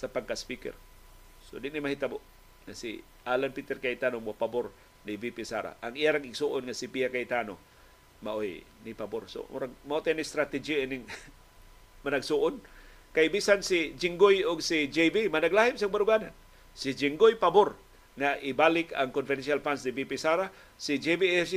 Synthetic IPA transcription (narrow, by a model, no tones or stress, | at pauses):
sapaɡ̚kaspikɛ̰r | sodɪnimahit̪aboʔ | ŋasḭ | ʔalanpit̪ɛrkait̪anomuapabʊr | nibipisa̰ɾa̰ʔaŋijaɾaŋɪɡsuʔʊnŋasipiakait̪ano | maʔojnipabʊrso̰mṵɾaŋmaot̪ajnist̪ɾat̪id͡ʒiinɪŋ | manaɡsuʔʊn | kajbisansid͡ʒiŋɡʊjʊɡsid͡ʒebimanaɡlahɪmsaŋbaɾuɡana̰n | sid͡ʒiŋɡʊjpabʊɾ | ŋaʔibalɪka̰ŋkonfɪdensalfansnibipisaɾa | sid͡ʒebiɛsi